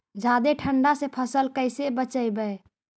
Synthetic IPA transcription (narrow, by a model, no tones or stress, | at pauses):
d͡ʒad̪eʈʰəɳɖasẽpʰəsəlkəɪsebət͡ʃəjbəe